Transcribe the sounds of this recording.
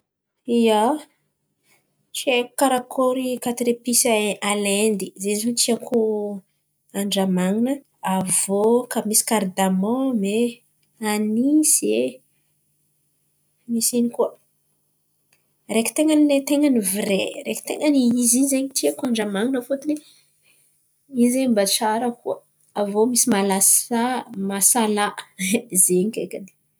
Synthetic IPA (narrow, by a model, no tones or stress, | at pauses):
ija | t͡ʃieku̥kaɾakʰoɾikat̪iɾepisaalɛnd̪izezut̪iakʰu | aɳɖ͡ʐamaŋinə | avokamisi̥kaɾd̪amɔ̃me | anise | misinikuə | reki̥t̪eŋənilet̪eŋənivirḛɾḛkt̪ḛŋaniizinzeɲit̪iakuaɳɖ͡ʐamaŋinəfot̪uni | izeɲmbaʈ͡ʂaɾəkuə | avomisimalasamasalaʔzeɲikʲḛkani̥